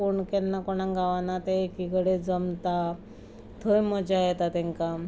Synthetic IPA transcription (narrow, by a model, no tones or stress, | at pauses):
uɳkennakɔɳãŋɡaʋanat̪eekiɡəɽed͡zəmt̪a | t̪ʰojmɔd͡ʑajet̪at̪ɛ̃ŋka